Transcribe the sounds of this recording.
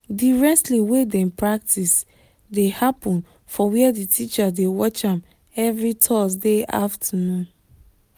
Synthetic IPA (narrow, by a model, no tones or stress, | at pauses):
diɹɛtliwedɛ̃npɹak̚tis | dehapɔ̃n | fɔwiɛditʰit͡ʃadewɔt͡ʃãm | ɛvɹitʰɔsdeʔa̰ftʰanũn